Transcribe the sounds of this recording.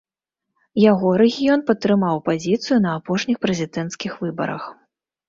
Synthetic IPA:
jaɣɔɾɛɣʲijɔnpɐt̪ːɾɨmawpazʲit̪sɨjunɐapɔʂnʲixpɾɛzʲid̪ɛnt̪skʲixvɨbɐ̰ɾɐ̰x

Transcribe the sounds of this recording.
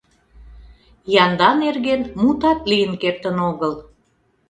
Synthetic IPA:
jɑnd̪ɑnerɣenmut̪ɑt̪lijənkert̪ənoɣəl

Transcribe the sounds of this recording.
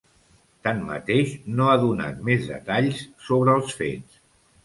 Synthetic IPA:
t̪anmːə̰t̪eʃnoaðuna̰t̪̚mezðə̰t̪aʎssoβɾəːlˠsfḛs

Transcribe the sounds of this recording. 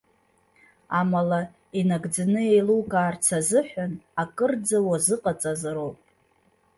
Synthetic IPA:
amala | inaɡd͡zanɨejlukʼaːrt͡sʰazɨħʷᶣanakʼɨrd͡zawazɨqʼat͡sʼazaɾowpʼ

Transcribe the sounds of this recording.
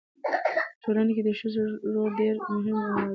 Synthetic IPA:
pətʰolaneked̪əʃʊzɾoɾɖeɾmʊɦɪmana

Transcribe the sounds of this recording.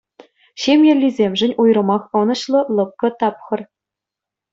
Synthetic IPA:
ɕemʲjɘ̆lʲːizʲemʲʐɘ̆nʲujrɤ̆mɑχɤ̆nɤ̆ɕlˠɤ̆lˠɤ̆p̚kɤ̆t̪ɑpχɤ̆r

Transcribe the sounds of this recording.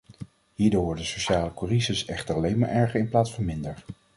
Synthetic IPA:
ɦiːɹdʊːɹʋɔɹdəsoʃaːləkurizəsɛχtəɹɑlejnmaːɹʔɛɹχəɹɪnplaːtsfɑnmɪndəɹ

